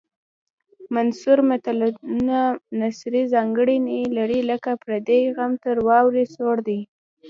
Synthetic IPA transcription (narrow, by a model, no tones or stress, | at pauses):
mansuɾmat̪alnanasɾizɑŋɡəɽinilaɽiləkapɾad̪eɣamt̪əɾwɑwɾisoɽd̪i